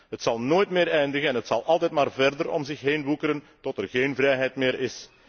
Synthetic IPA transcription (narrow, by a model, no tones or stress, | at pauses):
ɦətsɑlˠnoːjtmɪːɾɛjndəɣəɛnɦətsɑlˠʔɑlˠtɛjtmaːrvɛrdəɾɔ̰mzɪxɦeːnʋukəɾən | tɔtɛrɣeːnvrɛjɦɛjtmɪːɾʔɪs